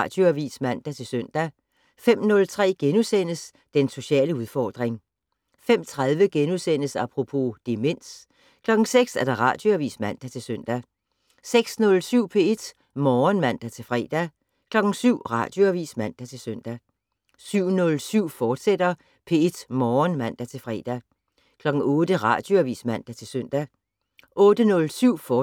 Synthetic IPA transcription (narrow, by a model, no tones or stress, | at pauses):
ɑd̥jo̝æʋḭːsmæn̰d̥æt͡sʰe̝lsøn̰d̥æ | fem̰nɔ̽lt͡sʰʁɛ̰ːɡ̥enusen̰əs | d̥enso̝ɕɛ̰ːləuð̞ˠfɒ̰ːd̥ʁeŋ | fem̰t͡sʰʁað̞ˠʋəɡ̥enuðˠsen̰əsɑ̈pʰʁo̝pʰo̝d̥e̝me̝n̰s | kʰlɒ̽ɡ̥ŋ̩seɡ̥sæɐd̥ɑ̈ʁɑ̈ːd̥jo̝æʋḭːsmæn̰d̥æt͡sʰe̝lsøn̰d̥æ | seɡ̥snɔ̽lsyʊ̰pʰe̝e̝d̥ | mɒːnmæn̰d̥æt͡sʰe̝lfʁɛ̰ːd̥æ | kʰlɒ̽ɡ̥n̩syʊ̰ʁɑ̰̈d̥jo̝æʋḭːsmæn̰d̥æt͡sʰe̝lsøn̰d̥æ | syʊ̰nɔ̽lsyʊ̰fɒːd̥sed̥ɐ | pʰe̝e̝d̥mɒːnmæn̰d̥æt͡sʰe̝lfʁɛ̰ːd̥æ | kʰlɒ̽ɡ̥ŋ̩ɔ̽ːd̥əʁɑ̰̈ːd̥jo̝æʋḭːsmæn̰d̥æt͡sʰe̝lsøn̰d̥æ | ʔɔ̽ːd̥ənɔ̽lsyʊ̰fɒː